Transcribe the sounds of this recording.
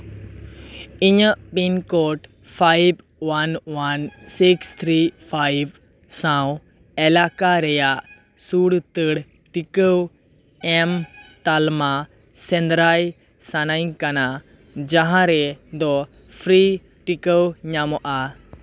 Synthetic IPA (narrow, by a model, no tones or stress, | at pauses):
iɲəʔpinkɔʈ | pʰajb̚ | wanwansikst̪ʰɾipʰajb̚ | sãw̃ | ɛlakaɾɛjaʔ | suɽt̪əɽ | ʈikəw | ɛmt̪alma | sɛnd̪ɾaj | sanajkana | d͡ʒãɦãɾɛd̪ɔ | pʰɾi | ʈikəwɲamɔʔa